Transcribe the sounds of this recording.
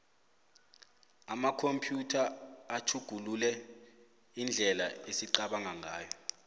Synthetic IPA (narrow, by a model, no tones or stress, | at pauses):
amakʰompʰʼjutʰaːtʰuɡ̥ʱululɛ | ind͡ɮʱɛlaesiǃaɓaŋaŋaːjɔ